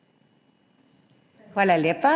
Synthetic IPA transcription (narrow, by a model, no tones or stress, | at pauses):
walalɛpa